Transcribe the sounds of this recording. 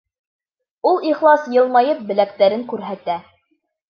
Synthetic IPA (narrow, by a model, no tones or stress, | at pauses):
ulˠiχlˠɑsjɤ̆lˠmɑjɤp̚bɘ̆lækt̪æɾɘŋkʉɾɦæt̪æ